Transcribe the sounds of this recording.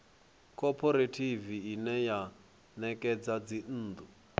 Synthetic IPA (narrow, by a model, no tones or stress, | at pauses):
kʰʼɔpʰɔɾetʰiviːnɛja | nɛkʼɛd͡zad͡zin̩ːd̪u